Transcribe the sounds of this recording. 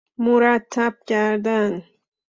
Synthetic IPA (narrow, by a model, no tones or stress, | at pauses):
mʊɾat̪ʰːap̚kaɾd̪aŋ